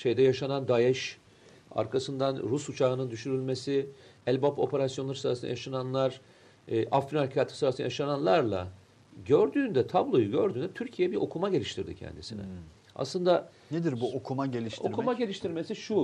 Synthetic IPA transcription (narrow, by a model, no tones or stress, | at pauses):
ʃe̞jd̪ɛjaʃanand̪ajɛʃ | a̰ɾkʰasɯnd̪anɾusut͡ʃʰaɯnɯnd̪yʃyɾylʲme̞siɛlʲbopʰo̞̰pʰe̞ɾasjo̞nlˠaɾɯsɯɾasɯna̰jaʃananlˠaɾ̥ | ʔafːinalʲcʰaːt̪ʰɯ̥sɯɾasɯna̰jaʃananlˠaɾlˠa̰ | ɟøɾd̪yːnd̪ɛt̪ʰablˠo̞juɟø̞ɾd̪yːnd̪ɛt̪ʰyɾcʰijejɛbiɾʔo̞kʰumaɟe̞lʲiʃt̪ʰiɾd̪ḭcʰɛ̰nd̪isḭnɛ̰ | a̰slˠɯnd̪a | ned̪iɾbuokʰumaɟelʲiʃo̞̰kʰumaɟe̞lʲiʃt̪ʰiɾme̞siʃu